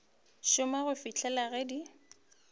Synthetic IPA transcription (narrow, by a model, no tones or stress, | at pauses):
ʃʊmaɣʊfit͡ɬʰɛlaɣɛdi